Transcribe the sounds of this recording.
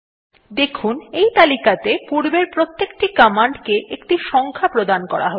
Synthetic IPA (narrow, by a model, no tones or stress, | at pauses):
d̪ekʰunejt̪alikat̪epuɾbeɾpɾot̪ːekʈikɔmaɳɖkeʔekʈiʃɔŋkʰapɾod̪ankɔ̰ɾa̰ɦo